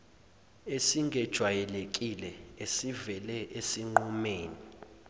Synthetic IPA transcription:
esiŋʱɛd̥ʒ̥ʱwajɛlek̬ʼilɛesivɛlɛʔesiŋ͡ǃɔmeːni

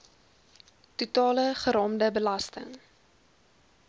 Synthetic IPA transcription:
tutɑːləχəɾɑːmdəbəlɐstə̰ŋ

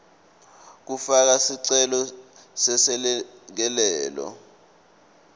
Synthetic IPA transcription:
k̬ufak̬asiǀɛlɔsɛsɛk̬ɛlɛːlɔ̰

